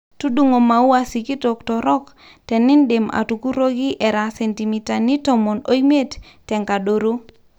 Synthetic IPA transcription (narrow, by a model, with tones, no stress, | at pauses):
tu˦du˦ŋo˨ma˨u˦a˦si˨ki˦to˨ktɔ˨ɾɔ˦k | tɛ˨nɪ˦ndɪ˨ma̰˨tu˨ku˦ɾo˦ɡi˦ʔɛ˨ɾa˨sɛ˨nti˨mi˦ta˨ni˦tɔ˦mɔ˨no˦i˦me˦tː | ɛ˨ŋka˨do˨ɾo˦